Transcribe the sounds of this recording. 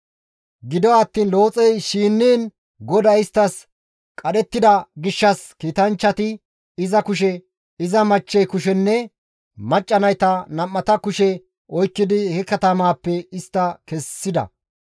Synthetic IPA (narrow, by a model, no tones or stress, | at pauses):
ɡɪd̪ɔɐt̪ːiːnlo̞ːt͡sʼɛjʃiːnːiːn | ɡɔd̪ɐɪst̪ːɐs | kʼɐɗɛt̪ːɪd̪ɐɡɪʃːɐskiːt̪ɐnt͡ʃːɐt̪ɪ | ɪzɐkʊʃ̬ɛ | ɪzɐmɐt͡ʃːɛjkʊʃɛnːɛ | mɐt͡ʃʼːɐnɐjt̪ɐnɐmːɐt̪ɐkʊʃɛ | ɔjkːɪd̪ɪhɛkɐt̪ɐmaːpːɛɪst̪ːɐkɛsːɪd̪ɐ̰